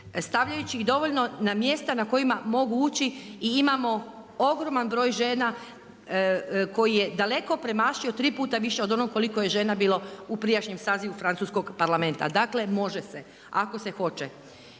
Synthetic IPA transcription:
st̪aʋʎajut͡ɕiiɣd̪o̞ʋo̞ʎno̞namje̞st̪anako̞imamo̞ɡuuːt͡ɕiiimamo̞ | oɡɾo̞manbɾo̞ːjʒe̞ːna | ko̞jijed̪ale̞ko̞pɾe̞maːʃiot̪ɾiːpuːt̪aʋiʃeo̞d̪o̞noɡkːo̞likoje̞ʒe̞ːnabiːlˠoupɾijaʃɲemsaːziʋufɾant̪suːsko̞ɡpaɾlamẽ̞nt̪a̰d̪akle̞mo̞ʒese | ako̞se̞xo̞t͡ʃe

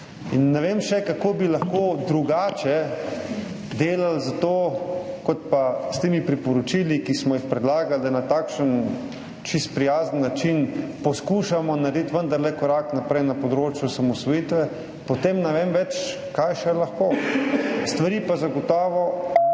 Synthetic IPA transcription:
inːɛʋeːmʃɛkakoːbilaxkoːd̪ɾuɡaːt͡ʃɛ | d̪eːlalzat̪oːkɔt̪̚past̪eːmipɾipɔɾɔt͡ʃilikismɔjixpɾɛd̪laːɡald̪anat̪aːkʃən | t͡ʃist̪̚pɾijaːzənːat͡ʃinpɔskuːʃamɔnaɾd̪it̪ʋənd̪aɾlɛkɔɾaknapɾɛjnapɔd̪ɾoːt͡ʃjusamɔsʋɔjit̪ʋɛ | pɔt̪emnɛʋeːmʋɛt͡ʃ | kajʃɛlaxkoː | st̪ʋaɾiːpazaɡɔt̪ɔːʋɔ

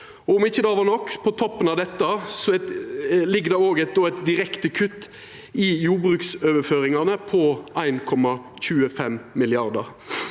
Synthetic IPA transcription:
ɔɔmɪçːəd̪ɑːʋɑːnɔkːpʰɔt̪ʰɔpːənɑʋd̪ɛt̪ːəsɔɛt̪lɪɡːəd̪ɛoːɡæɪt̪̚d̪oːæɛɪt̪̚d̪ɪɾɛkt̪əkʰʉt̪ː | ɪjuːɾbɾʉːksøːʋəføːɾɪŋɑnəpʰɔæɪnkʰɔmːɑ | çʉːəfɛmmɪlɪɑɾd̪əɾ

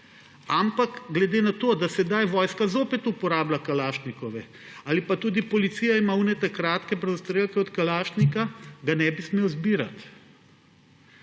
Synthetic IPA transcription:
ampakɡlɛd̪eːnat̪oːd̪asɛd̪ajʋɔːjskazoːpɛt̪upɔɾaːblakalaːʃt̪nikɔʋɛ | aːlipat̪uːd̪ipɔlit̪siːjaimauːnɛt̪akɾaːt̪kɛpɾɛzʊst̪ɾeːlkɛɔt̪kalaːʃt̪nikaɡanɛbismeːwzbiːɾa̰t̪

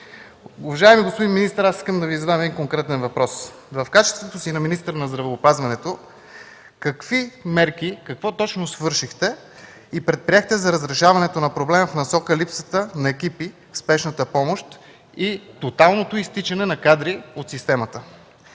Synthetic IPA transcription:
ʊvɐʒaɛmiɡospod̪inminist̪əɾasi̥skəmd̪ɐvizɐd̪amɛd̪inkoŋkɾɛt̪ɛnvɐpɾɔs | vɐfkat͡ʃɛst̪vot̪osinɐminist̪əɾənɐzd̪ɾɐvɛopazvɐnɛt̪o | kɐkvimɛɾkikɐkvɔt̪ɔt͡ʃnosvɤɾʃixt̪ɛ | ipɾɛt̪̚pɾiɛxt̪ɛzɐɾəzɾɛʃavɐnɛt̪onɐpɾoblɛməfnɐsɔkəlipsət̪ənɐɛk̟ipi | spɛʃnət̪əpɔmoʃt̪ | it̪ot̪alˠnot̪oist̪it͡ʃɐnɛnɐkad̪ɾiot̪sist̪ɛmət̪ə

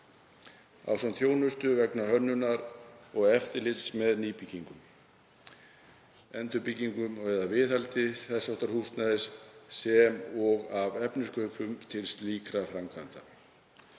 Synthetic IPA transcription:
a̰wsanθʰjoːwnʏst̪ʏvɛknahœnːʏnaɾɔɣɛft̪ɪɾlɪt̪smɛðniːpiciŋkʏm | ɛnt̪ʏpicːiŋkʏmɛðavɪθhalt̪ɪθɛsːaɔht̪aɾ̥hust̪naðɪsːɛmɔɣavɛpnɪskʏʏpʏmt̪ʰɪlst̪liːkɾafɾamkʰant̪a

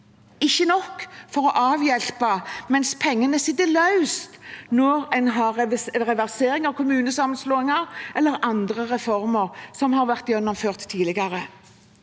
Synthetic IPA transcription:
ɪçːənɔkːfɔɾɔʔɑːʋjɛlpɑmɛnspʰɛŋːənəsɪt̪ːəlɑʉst̪nɔɾɛnɦɑɾʁɛʋæʁseːɾɪŋɑʋkʰʊmʉːnəsɑmːənsloːɪŋɑɾʔɛlːəɾɑnd̪ɾəɾɛfɔɾməɾsɔmhɑːɾʋæʁt̪jɛnːɔmføːʁt̪ʰːiːlɪɡɑɾə

